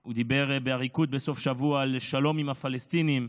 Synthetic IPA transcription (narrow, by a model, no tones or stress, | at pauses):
ud̪ibe̞ʁbeaʁikut̪̚beso̞fʃavuaːlʃalo̞mimafalest̪inim